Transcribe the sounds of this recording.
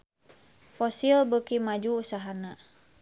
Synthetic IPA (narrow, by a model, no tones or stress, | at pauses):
fɔsilbəkimad͡ʒuːsaɦana